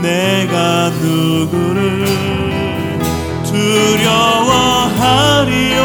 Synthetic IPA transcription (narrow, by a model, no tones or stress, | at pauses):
neɡanɯɡɯɾɯɭ | tɯɾjʌwʌɦaɾi